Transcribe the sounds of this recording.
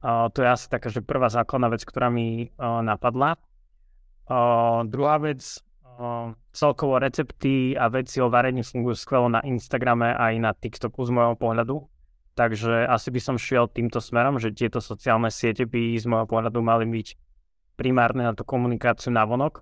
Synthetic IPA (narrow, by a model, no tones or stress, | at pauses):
t̪ɔjɛasi̥t̪akaːʒɛpr̩ʋaːzaːklad̪naːʋɛt͡skt̪ɔɾaːminapad̪la | d̪ɾuɦaːʋɛt͡s | t͡sɛlkɔʋɔɾɛt͡sɛpt̪iaʋɛt͡siɔʋɛɾɛɲifuŋɡujuskʋɛlɔna̰ʔinst̪aɡɾamɛʔajnat̪ikt̪ɔkuzmɔjɦɔpɔɦʎad̪u | t̪aɡʒɛasibisɔmʃɪɛlt̪iːmt̪ɔsmɛɾɔmʒɛt̪ɪɛt̪ɔsɔt͡siaːlˠnɛsɪɛcɛbizmɔjɦɔpɔɦʎad̪umalibic | pɾimaːɾnɛnat̪ukɔmunikaːt͡siunaʋɔnɔk